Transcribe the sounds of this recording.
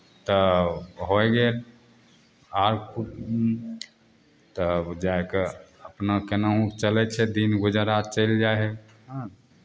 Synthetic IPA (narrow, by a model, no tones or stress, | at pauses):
t̪əɦojɡel | aɾkʰu | t̪əd͡ʒaekeəpnakenaɦũkt͡ʃəlɛt͡ʃʰɛd̪inɡud͡ʒəɾat͡ʃəld͡ʒaɦɛ | ɦã